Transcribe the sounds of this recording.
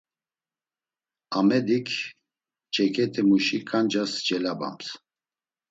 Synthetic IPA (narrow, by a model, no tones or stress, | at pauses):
amɛd̪ikʰ | t͡ʃɛkʰʼɛt̪ʰʼɛmuʃikʰʼand͡ʒasd͡ʒɛlaba̰ms